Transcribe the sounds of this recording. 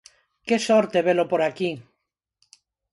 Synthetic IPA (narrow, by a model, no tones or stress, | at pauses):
kesɔɾt̪eβelopoɾaki